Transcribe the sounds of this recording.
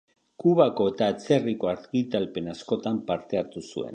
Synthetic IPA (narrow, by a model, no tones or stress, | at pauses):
kuβako̞e̞t̪aet͡se̞riko̞aɾɣit̪alpe̞nasko̞t̪ampaɾt̪e̞aɾt̪usṵe̞̰n